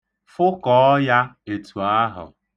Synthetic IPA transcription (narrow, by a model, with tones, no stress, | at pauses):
fʊ˦kɔ˨˦ɔ˦ja˦e˨tu˨a˦ɦʊ̰˨